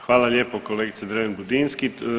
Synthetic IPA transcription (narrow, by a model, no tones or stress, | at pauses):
xʋaːlaljeːpɔkoleːɡit̪sɛd̪ɾeʋɛnbud̪inski